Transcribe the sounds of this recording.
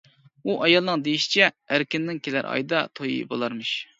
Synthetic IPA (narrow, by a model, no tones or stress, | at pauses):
uʔɑjɑlˠnɨŋd̪ejiʃi̥t͡ʃʰɛː | ɾkʲɪnːɪŋkʲʰelæ̰ɾʔɑ̰jd̪ɑt̪ʰojḭbo̰lˠɑɾmɨʃ